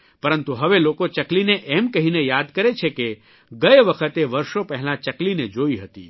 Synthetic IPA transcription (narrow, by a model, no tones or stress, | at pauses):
pəɾənt̪uɦəʋelokot͡ʃəklineʔɛmkəɦinejad̪kəɾet͡ʃʰeke | ɡəjeʋəkʰət̪eʋəɾʃopəɦɛlãt͡ʃəklined͡ʒoiɦət̪ḭ